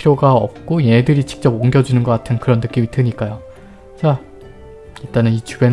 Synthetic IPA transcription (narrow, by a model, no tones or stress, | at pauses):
iɾoɡaʌp̚k͈oje̞dɯɾit͡ɕʰi̥k̚t͡ɕ͈ʌboŋɡjʌd͡ʑunɯnɡʌk͈atʰɯnkɯɾʌnːɯk͈imitɯɲik͈ajo | t͡ɕa | it͈anɯnit͡ɕuben